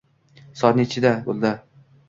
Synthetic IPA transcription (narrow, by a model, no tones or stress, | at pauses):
sɒt̪net͡ʃʰɪd̪abolˠd̪a